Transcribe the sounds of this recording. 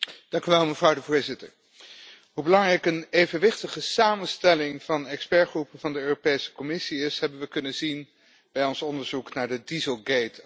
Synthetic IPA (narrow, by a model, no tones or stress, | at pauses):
d̥ɑŋkyʋɛlˠməv̥rɑwdəvʊːɹzɪtə̰ɹ | ɦubəlɑŋrɛjkənejvənʋɪχtəχəsaːmənstɛlɪŋv̥ɑnɛkspɛɹχrupəv̥ɑndəøːropejsə̥kɔmɪsiɪsɦɛbənʋəkɵnənzin | b̥ɛjɔnsɔndəɹzuknaːɹdədizəlˠɡejt